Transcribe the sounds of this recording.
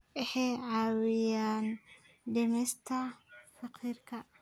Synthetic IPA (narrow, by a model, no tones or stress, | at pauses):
ʔɪħɛjʕɑːwɪjaːn | ɖɛmɛːst̪ʰɐfɑqʰiːrkʰɐ